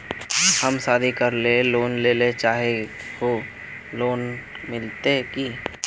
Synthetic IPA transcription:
həmsaːd̪ʱikəɾleloːnleːlet͡ʃaːɦe | ko | loːn | mɪlt̪eki

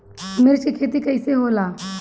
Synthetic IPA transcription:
mɪɾt͡ʃikʰeːt̪̬ikɐɪseɦoːlaː

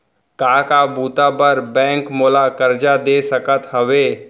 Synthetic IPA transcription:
kaːkabuːt̪apəɾbɛ̃ːŋkmoːlakɐɾd͡ʒad̪eːsɐkət̪ɦɐʋeː

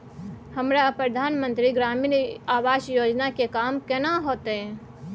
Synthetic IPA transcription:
həmɾapɾəd̪ʱanmə̃nt̪ɾiɡɾaminaʋaʃjod͡ʒnakekamkɛnaɦot̪e

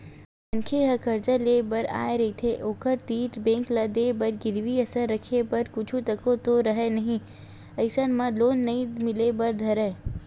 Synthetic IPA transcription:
pɐnkʰeɦɐkʰɐɾd͡ʒəleːbɐɾa̰ːeɾɐɦit̪ʰeʔoːkəɾt̪iːʈbẽːŋklɐd̪ebɐɾɡɪd̪ʋiɐsəɾːɐkʰepɐɾkʊt͡ʃʰũt̪ɐkot̪oɾɐɦenɐɦĩ | ɐɪsənmɐ̃loːnːɐĩmɪlebɐɾd̪ʱɐɾe

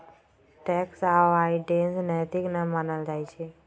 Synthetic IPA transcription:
ʈɛksaaiɖensnɛt̪iknamaːnəld͡ʒaːit͡ʃʰe

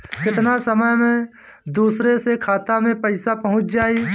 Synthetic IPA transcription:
kɪt̪nasəməjmẽ | d̪uːsɾesekʰaːt̪amẽpəɪsapɐɦʊ̃t͡ʃʰd͡ʒaːiː

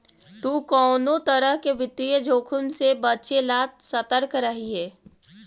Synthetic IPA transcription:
t̪uːkɔːnõt̪əɾəɦkeʋɪt̪ijəd͡ʒʱoːkʰʊnsebɐt͡ʃelaːt̪sɐt̪əɾkɾɐɦiɦɛː

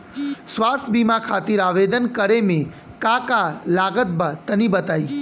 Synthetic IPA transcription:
sʋast̪ʰbimãkʰaːt̪iɾaʋed̪ənkəɾemẽ | kakalaɡət̪̚bat̪ənibət̪aːi

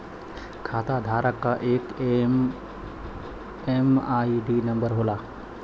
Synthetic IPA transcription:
kʰaːt̪ad̪ʱaːɾəkːaʔeːk | emaːiɖinə̃mbəɾɦoːlaː

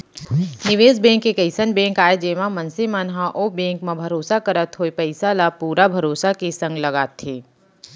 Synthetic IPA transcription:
nɪʋeːzbɛ̃ːŋkːekɐɪsənbẽːkaːed͡ʒeːmãmɐnsimaːnɦãʔoːbɛ̃ːŋkmẽbʱɐɾoːsakəɾət̪ɦoepɐɪsalapuːɾabʱɐɾoːsakisɐ̃ŋɡlɐɡaːt̪ʰiː

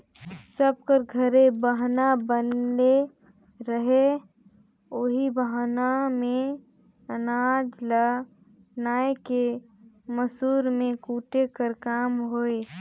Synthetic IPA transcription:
səb̚kəɾɡʱəɾebəɦnabənle | ɾəɦe | oːɦibəɦanamẽ | ənaːd͡ʒla | naːeke | məsuːɾmẽkuːʈekəɾkaːmɦoːe

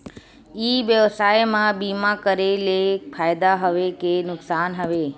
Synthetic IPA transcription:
iːʋjəʋsaːjmãbiːmakəɾelefʰaːjd̪aɦəʋekenʊksaːnɦəʋe

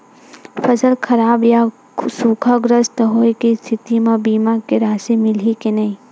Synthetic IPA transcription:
fɐsəlkʰɐɾaːbja | suːkʰaɡɾəst̪əɦoːekist̪ʰɪt̪imãbiːmakeɾaːsimɪlikenɐĩ

